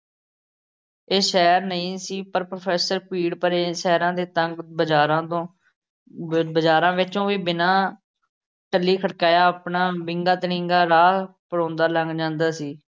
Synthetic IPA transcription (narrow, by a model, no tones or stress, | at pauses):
eːʃɛːɾnəĩːsiːpəɾpɾopʰɛːsəɾpiːɽpəɾeːʃɛːɾãːd̪eːt̪əŋɡbəaːɾãːt̪õː | bəd͡ʒaːɾãːʋɪt͡ʃõːʋiːbɪnãː | ʈəlːiːkʰəɽkaːjaːəpɳaːbɪ̃ŋɡaːt̪əɽɪ̃ŋɡaːɾaːpəɽõːnd̪aːləŋɡd͡ʒãːnd̪aːsiː